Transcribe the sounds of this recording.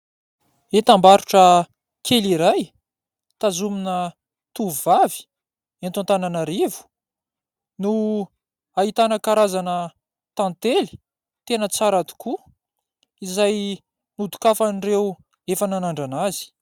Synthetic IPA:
et̪ambaɾuʈ͡ʂə | kʰeliɾaj | t̪azuminə | t̪uvuvavi̥ | ent̪ãnt̪ananaɾivu̥ | nu | aɦit̪anəkaɾazanə | t̪ãnt̪eli̥ | t̪enət͡saɾad̪u̥ku | izaj | nud̪u̥kafanirew | efananaɳɖ͡ʐanazi̥

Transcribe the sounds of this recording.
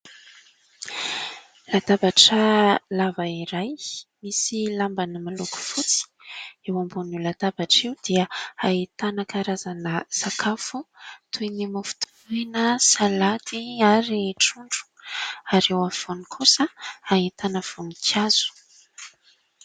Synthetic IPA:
lad̪abaʈ͡ʂəlavaiɾajmisilambanəmaluku̥fut͡si̥ewambunulad̪abaʈ͡ʂewd̪̥iəait̪anəkaɾazanəsakʰafut̪ʰunimafu̥t̪ʰu̥enəsalat̪iaɾiʈ͡ʂuɳɖ͡ʐu̥aɾewav̥onikʰusəaɦit̪anəv̥unikaz̥u̥

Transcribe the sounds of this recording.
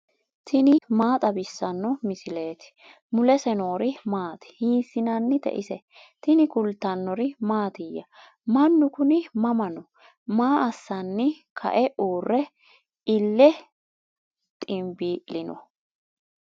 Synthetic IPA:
t̪ʰɪnɪmaːt̪ʼɐbɪsːɐnːɔmɪsɪle̞ːt̪ɪ̥ | mʊlɛsɛno̞ːɾɪmaːt̪ɪ̥hiːsɪnɐnːɪt̪ɛ̰ʔɪsɛ | t̪ɪnɪkʊlt̪ːɐnːɔɾɪmaːt̪ɪjːɐ | mɐnːʊkʊnɪmɐmɐnɔ | maːʔɐsːɐnːɪkʰɐ̰ʔɛʔuːrːɛ | ɪlːɛ | t̪ʼɪmbiːʔlɪnɔ̰

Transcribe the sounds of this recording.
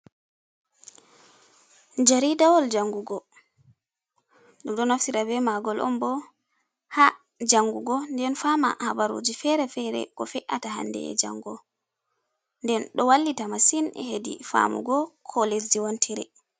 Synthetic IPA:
d͡ʒaɾidawɔld͡ʒaŋɡuɡɔ | ɗumɗɔnafsiɾabɛmaɡɔlʔɔ̰mbɔ | ha | d͡ʒaŋɡuɡɔndɛnfama̰habaɾo̰d͡ʒifɛɾɛfɛɾɛ̰kɔfɛʔataɦa̰ndɛ̰ɛ̰d͡ʒa̰ŋɡɔ | ndɛnɗɔwalːitamasinɛhedḭfa̰mṵɡɔkʰɔles̬diwɔntʰɛɾɛ

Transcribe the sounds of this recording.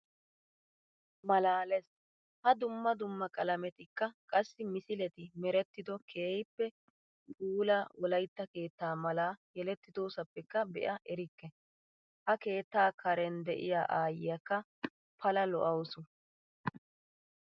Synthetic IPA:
mɐlaːlɛs | hɐd̪ʊmːɐd̪ʊmːɐkʼɐlɐmɛt̪ɪkːɐkʼɐsːɪmɪsɪlɛt̪ɪmɛɾɛt̪ːɪd̪ɔkʰe̞ːjɪpːɛ | kʼuːlawɔlɐjt̪ːɐke̞ːt̪ːaːmɐlaːjɛlɛt̪ːɪd̪o̞ːsɐpːɛkːɐbɛ̰ʔɐʔɛɾɪkːɛ | hɐke̞ːt̪ːaːkʰɐɾɛnd̪ɛʔɪ̰ja̰ːʔaːjɪjɐkːɐ | pʰɐlɐlɔ̰ʔɐwsʊ

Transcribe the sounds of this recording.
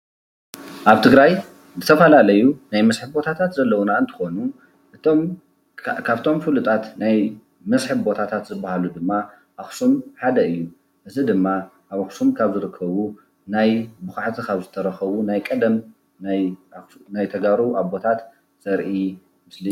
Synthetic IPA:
ʔaβt̪ʰɨɡɾaj | zɨt̪ʰɐfɐlalɐjunajmɐsħɨbbo̞t̪ʰat̪ʰat̪zɐlːɐwunaɨnt̪ʰɨ̥xo̞nu | ʔɨm | kʰaβt̪ʰo̞mfɨlut̪ʼat̪naj | mɐsħɨβbo̞t̪ʰat̪ʰat̪zɨbːahalud̪ɨmːa | ʔaxsumħad̪ɐɨjːu | ʔɨzid̪ɨmːaʔaβaxsumkʰaβzɨɾɨkʰːɐβu | najbɨxaʕt̪ʰikʰaβzɨt̪ʰɐɾɐxɐβunajkʼɐd̪ɐm | najnajt̪ʰɐɡaɾuʔaβbo̞t̪ʰat̪ | z̥ɐɾʔi | mɨsli

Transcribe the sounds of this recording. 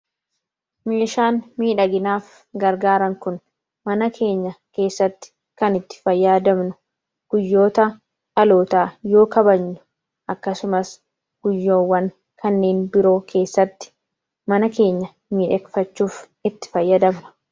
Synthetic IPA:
me̞ːʃaːnmiːᶑɐɡɪnaːf | ɡɐɾɡaːɾɐŋkʊn | mɐnɐkʰe̞ːɲːɐke̞ːsːɐt̪ːɪ̥ | kɐnɪt̪ːɪ̥fɐjːaːd̪ɐmnʊ̥ | ɡ̥ʊjːo̞ːt̪ɐ | ɐlo̞ːt̪aːjo̞ːkɐbɐɲːʊ̥ | ʔɐkːɐsʊmɐs | ɡ̥ʊjːoːwːɐŋ | kʰɐnːe̞ːnbɪɾo̞ːkʰe̞ːsːɐt̪ːɪ̥ | mɐnɐke̞ːɲːɐ | miːᶑɛkfɐt͡ʃːuːf | ɪt̪ːɪ̥fɐjːɐd̪ɐmnʊ̥

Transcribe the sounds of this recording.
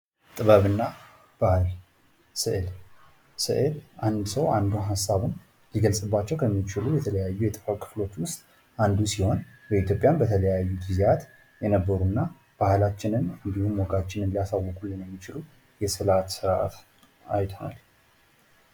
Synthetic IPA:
t̪ʼɨβəβɨnːa | b̥ahɨl | sɨʔɨl | sɨ̰ʔɨlʔand̪səwand̪uɦasːaβɨn | liɡəlsʼɨbːat͡ʃːɛwkʰəmːit͡ʃɪlujɛt̪ʰələjajːujɛt̪ʼɨfakʼʰɨ̥flo̞t͡ʃːwʊst̪ʼ | ʔand̪usiho̞nbəit̪jo̞pʼjambət̪ʰələjajːud̪izjat̪ | jɛnəbːəɾunːa | b̥ahlat͡ʃːɪnɨnɨnd̪ihumwɔɡat͡ʃːɪnɨnlijasawːɔkʼulːɨnjɛmːit͡ʃɪlu | jɛsɨlat̪sɨɾʔa̰t̪ | a̰jt̪ʰona̰l

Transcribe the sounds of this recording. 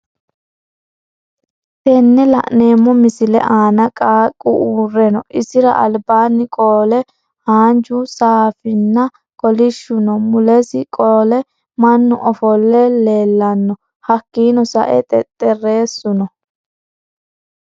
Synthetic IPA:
t̪ɛnːɛlɐ̰ʔne̞ːmːɔmɪsɪlɛ̰ʔaːnɐkʼaːkʼːʊʔuːrɛnɔʔɪsɪɾɐ̰ʔɐlbaːnːɪkʼoːlɛ | haːnd͡ʒʊsaːfɪnːɐ | kʼɔlɪʃːʊnɔmʊlɛsɪkʼoːlɛ | mɐnːʊʔɔfɔlːɛle̞ːlːɐnːɔ | hɐkːiːnɔsɐ̰ʔɛt̪ʼɛt̪ʼːɛre̞ːsːʊnɔ

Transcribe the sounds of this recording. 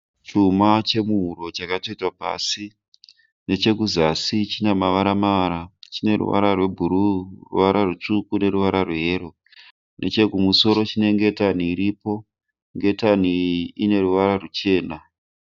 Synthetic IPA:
t͡ʃumat͡ʃe̞muɦuɾo̞t͡ʃakato̞itwapa̰si | ne̞t͡ʃe̞kuzasit͡ʃinemaʋaɾamaʋaɾat͡ʃine̞ɾṵʋa̰ɾarwe̞bʱuɾurṵʋaɾarut͡ʂukune̞ɾuʋaɾarweɦeːɾo̞ | nʔe̞t͡ʃe̞kumuso̞ɾo̞t͡ʃine̞ŋɡe̞taniːɾipo̞ | ŋɡe̞taniine̞ɾuʋaɾarut͡ʃe̞ːna

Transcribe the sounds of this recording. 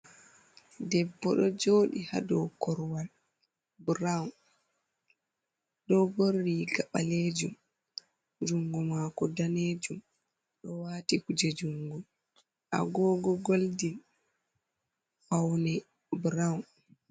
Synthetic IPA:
dɛbːɔɗɔd͡ʒoːɗiha̰dɔwkʰɔɾwal | bɾawn | ɗɔɡorːiɡaɓaleːd͡ʒum | d͡ʒuŋɡɔmaːkɔdaneːd͡ʒum | ɗɔwaːtikud͡ʒɛd͡ʒuŋɡɔm | ʔa̰ɡɔːɡɔɡoldil | fawnɛ | bɾawn

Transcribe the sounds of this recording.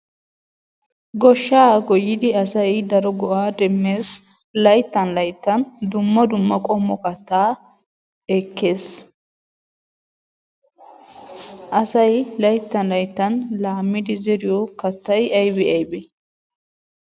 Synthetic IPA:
ɡɔʃːaːɡɔjːɪd̪ɪɐsɐjd̪ɐɾɔɡɔʔaːd̪ɛmːeːs | lɐjt̪ːɐnlɐjt̪ːɐnd̪ʊmːɐd̪ʊmːɐkʼɔmːɔkɐt̪ːaː | ɛkːe̞ːs | ʔɐsɐjlɐjt̪ːɐnlɐjt̪ːɐnlaːmːɪd̪ɪzɛɾɪjɔkɐt̪ːɐjɐjbɛɐjbɛ

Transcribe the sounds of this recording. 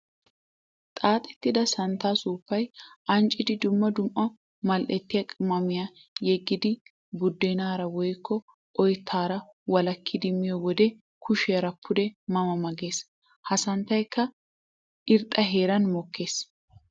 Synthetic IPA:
t̪ʼaːt̪ʼɛ̥t̪ːɪd̪ɐsɐnt̪ːaːsuːpːɐjɐnt͡ʃʼɪd̪ɪd̪ʊmːɐd̪ʊmʔɐ | mɐlʔɛt̪ːɪjɐkʼɪmːɐmɪja | jɛɡːɪd̪ɪ | bʊd̪ːɛnaːɾɐwɔjkʰːɔ | ɔjt̪ʰːaːɾɐwɐlɐkʰːɪd̪ɪmɪjɔwɔd̪ɛ | kʰʊʃɛjɐɾɐpʰːʊd̪ɛmɐmɐmɐɡe̞ːs | hɐsɐnt̪ːɐjkːɐ | ʔɪɾt̪ʼːɐɦe̞ːɾɐnmɔkːe̞ːs

